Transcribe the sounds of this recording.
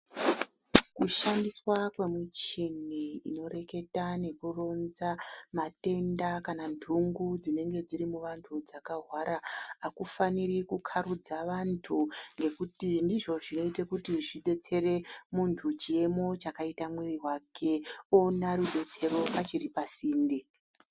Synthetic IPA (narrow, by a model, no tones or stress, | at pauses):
kuʃandiswakwe̞mut͡ʃiniḭno̞re̞ke̞tane̞kuro̞nzamate̞ndakanandʱuŋɡud͡zine̞ŋɡe̞d͡ziɾimuʋantʰud͡zakaɦwaɾaakufanirikukʰaɾud͡zaʋantʰuŋɡe̞kutindiʐo̞ʐino̞itekutiʐiɗe̞t͡se̞re̞muntʰut͡ʃie̞mo̞t͡ʃakaitamwiriɦwakʰe̞onaɾuɗe̞t͡se̞ɾo̞ʔat͡ʃiɾipasiːndi